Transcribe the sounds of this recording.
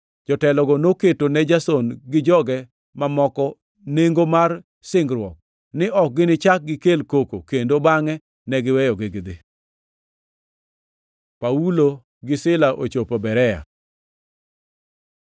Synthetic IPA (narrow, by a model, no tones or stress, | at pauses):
d͡ʒɔtɛlɔɡɔnoketonɛd͡ʒasɔnɡɪd͡ʒɔɡɛ | mamɔkɔ | neŋɡomar | sɪŋɡɾwɔk̚ | nɪʔɔk̚ɡɪnɪt͡ʃak̚ɡɪkelkoko̰kendobaŋɛ | nɛɡɪwɛjɔɡɪɡɪd̪ɪ | paulo | ɡɪsɪlaʔot͡ʃopobɛɾɛja̰